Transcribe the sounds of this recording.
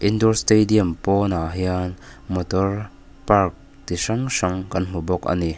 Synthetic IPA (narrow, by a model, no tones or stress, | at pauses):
ʔindɔɾstediɐmpɔnaɦianmɔtɔr | park̚ | t̪isɐŋsɐŋkɐnm̥ubɔkɐ̰ni